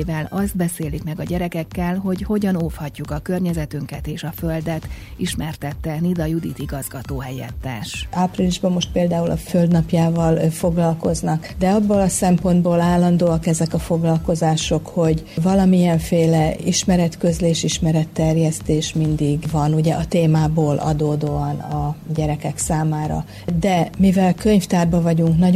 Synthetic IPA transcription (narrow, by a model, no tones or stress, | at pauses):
vɛlɒzd̪̚bɛseːlikmɛɡɒɟɛɾɛkɛkːɛlɦo̞ɟho̞ɟɒnoːfhɒcːukɒkø̞rɲɛzɛt̪yŋkɛt̪eːʃɒføld̪ɛt̪iʃmɛrt̪ɛt̪ːɛnid̪ɒjud̪ḭt̪iɡɒzɡɒt̪oːɦɛjɛ̰t̪ːɛ̰ːʃaːpriliʒbɒmːo̞ʃt̪̚peːld̪aːulʔɒ̰føld̪nɒpjaːvɒlfo̞ɡlɒlko̞znɒkd̪ɛɒbːoːlɒsɛmpo̞nd̪boːlaːlːɒnd̪oːɒkɛzɛkɒfo̞ɡlɒlko̞zaːʃo̞kho̞ɟvɒlɒmiɛɱfeːlɛiʃmɛɾɛt̪køzleːʃiʃmɛɾɛt̪ːɛrjɛst̪eːʃmind̪iɡvɒnuɟɛʔɒt̪eːmaːboːlʔɒ̰d̪oːd̪oːɒnɒɟɛɾɛkɛksaːmaːɾɒ̰ | d̪ɛmivɛlkø̞ɲft̪aːrbɒvɒɟuŋknɒ